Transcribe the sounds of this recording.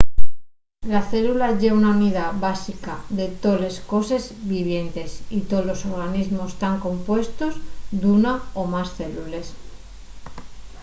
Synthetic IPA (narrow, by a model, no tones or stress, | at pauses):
laθe̞lulaʝe̞unauniðabasikaðe̞t̪o̞le̞sko̞se̞zβiβ̞je̞nt̪e̞sit̪olo̞so̞ɾɣ̞anizmo̞st̪aŋko̞mpwe̞st̪o̞zd̪unaomasθe̞lule̞s